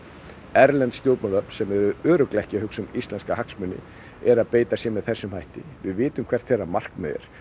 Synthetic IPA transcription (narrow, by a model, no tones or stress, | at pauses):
ɛɾlɛnt̪st̪joːlpnaðœpnsɛmɛɾʏœːɾʏklɛhcɪhʏksʏmist̪ɛnskahaksmʏnːɪ̰ | ɛɾaðpeːjt̪asjɛmɛðθɛsːʏmhajht̪ɪvɪðvɪːt̪ʏmkʰvɛr̥t̪θeɾːamar̥kmɛðɛ̰ɾ̥